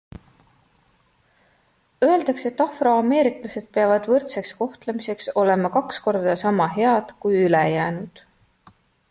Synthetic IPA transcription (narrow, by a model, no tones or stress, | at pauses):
ø̞e̞ld̪̥ɑkse̞t̪ːˑɑfro̞ɑme̞ːɾiklɑse̞d̪̥̚peɑvɑd̪̥vɤrt̪seksko̞ht̪lemise̞kso̞le̞mɑkɑksko̞rd̪̥ɑsɑmɑɦe̞ɑd̪̥kujylejæːnud̪̥